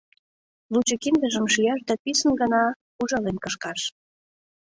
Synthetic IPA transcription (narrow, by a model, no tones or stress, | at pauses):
lut͡ɕəkind̪əʒəmʃijɑʃd̪æpisənɡənɑ | uʒɑlenkəʃkɑʃ